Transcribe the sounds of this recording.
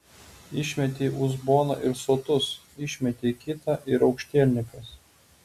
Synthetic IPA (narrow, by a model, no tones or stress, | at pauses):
ɪʃʲmʲɛt̪ʲeːʔʊzboːnɐ̰ːˑʔɪɾsoːt̪ʊs | ɪʃʲmʲɛt̪ʲeːkʲɪt̪ɐʔɪɾɒʊkʃʲt̪ʲeːlʲnʲɪkɐs